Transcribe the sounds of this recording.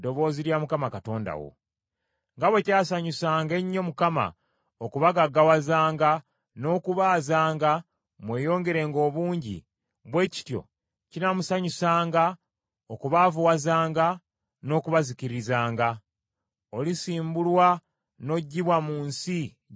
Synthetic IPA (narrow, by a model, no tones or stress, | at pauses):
do̞βo̞ːziɾjamukamakato̞ːnda̰wo̰ | ŋɡaβwe̞caːsaɲusaːŋɡe̞ɲːo̞mukama̰ | okuβaɡaɡawazaːŋɡa | no̞ːkuβaːzaːŋɡa | mwe̞ːjo̞ːŋɡe̞ɾe̞ːŋɡo̞ːβuːɲɟḭ | βwe̞ːci̥tjo̞̰ | cinamusaɲusaːŋɡa | okuβavuwazaːŋɡa | no̞kuβaziciɾizaːŋɡa | o̞lisiːmbulwa | no̞ɟːiβwamuːnsi